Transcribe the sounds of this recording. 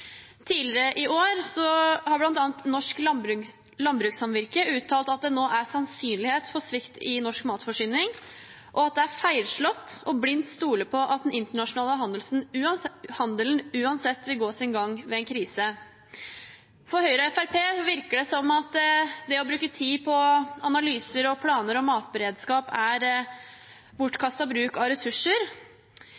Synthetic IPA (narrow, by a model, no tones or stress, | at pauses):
t̪ʰiːlɪɾəʔɪʔoːɾsɔhɑɾblɑnt̪ɑːnt̪nɔʂkɾ | lɑmbɾʉːksɑmʋɪɾkəʔʉːt̪ʰːɑːlt̪ɑt̪̚d̪ɛnoːʔæsɑnsyːnlɪheːt̪fɔsʋɪkt̪ɪnɔʂkmɑːt̪fɔʂyːnɪŋ | ʔɔɑt̪̚d̪ɛæɾfæɪlʂɭɔt̪ːɔblɪnt̪st̪uːləpʰɔʔɑt̪̚d̪ɛnʔɪnt̪əɳɑʂʊnɑːləɦɑnd̪əlsn̩ʉːɑnhɑnd̪əlnʉːɑnsɛt̪ːʋɪlɡoːsɪnɡɑŋːʋɛɛnkʰɾiːsə | fɔɾhœʏɾəɛfæɾpʰeːʋɪɾkəɖɛsɔmɑt̪d̪ɛɔbɾʉːkət̪ʰiːpʰɔɑnɑlyːsəɾɔpʰlɑːnəɾɔmɑːt̪bəɾeːd̪skɑːpæɾ | bʊʈːkʰɑst̪ɑbɾʉːkɑɾɛsʉʂːəɾ